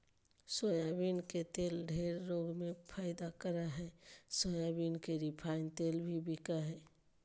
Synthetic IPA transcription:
sojabinket̪eːlɖʱeːɾːoːɡmẽpʰaːɪd̪akəɾaɦɛːsoːjabinkeɾipʰaːɪnt̪eːlbʱibikaɦɛː

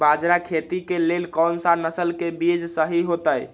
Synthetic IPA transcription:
bad͡ʒɾakʰet̪ikelelkɔnsanəsəlkebid͡ʒsəɦiɦot̪əj

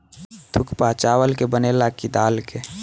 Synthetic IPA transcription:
t̪ʰʊkpat͡ʃaːwəlkebənelakid̪aːlke

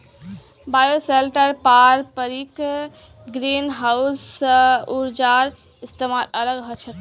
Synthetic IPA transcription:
bajoselʈəɾpaɾpəɾik | ɡɾinɦaws | uɾd͡ʒaɾ | ist̪emalələɡɦət͡ʃʰət̪

